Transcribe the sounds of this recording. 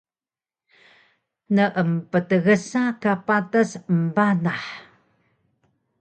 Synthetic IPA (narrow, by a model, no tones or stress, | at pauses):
nəʔəmpətəɣəsakapatasəmbanaħ